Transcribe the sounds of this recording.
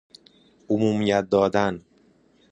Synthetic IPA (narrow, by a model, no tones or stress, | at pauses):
ʔomuːmijæt̪̚d̪ɒːd̪æn